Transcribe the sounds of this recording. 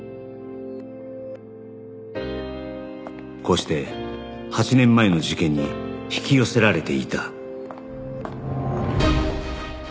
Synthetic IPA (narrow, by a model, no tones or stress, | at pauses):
ko̞ːɕi̥t̪e̞ | hat͡ɕinẽ̞mːae̞no̞ʑikẽ̞ɲ̟ːiçi̥kʲijo̞se̞ɾaɾe̞t̪e̞ḭt̪a